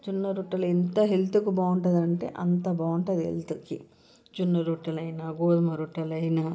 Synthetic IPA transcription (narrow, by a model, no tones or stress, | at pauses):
d͡ʒunːɐɾuʈːɐlint̪ɐɦelt̪ukibaːuɳʈɐd̪ɐɳʈḛːʔɐnt̪ɐbaːwuɳʈɐd̪iḛlt̪uki | d͡ʒunːɐɾuʈːɐlɐjnaːɡoːd̪ɐmɐɾuʈːɐlɐjnaː